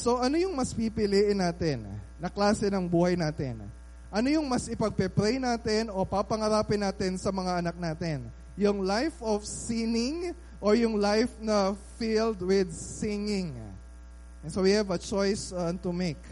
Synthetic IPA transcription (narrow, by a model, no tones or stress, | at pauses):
so̞ʔɐnojʊŋmɐspipɪliʔɪnːaːt̪ɪnː | ɐklaːsɛnɐŋbuːhɐjnaːt̪ɛ̰n | ʔɐnojʊŋmɐsɪpɐɡ̚pɛpɾejnaːt̪ɪno̞papɐŋɐɾaːpɪnaːt̪ɪnsɐmɐŋaʔɐnɐk̚naːt̪ɛn | jʊŋlajfʔofsinɪŋ | ʔojʊŋlajfnɐfild̪wɪd̪̚sɪŋɪŋ | sowihɛvɐt͡ʃojsɐnt̪ʊmejk